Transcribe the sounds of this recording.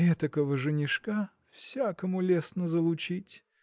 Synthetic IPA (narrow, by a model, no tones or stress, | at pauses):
ɛt̪əkəvəʐɨnʲɪʂka | fsʲakəmʊlʲesnəzəlˠʊt͡ɕitʲ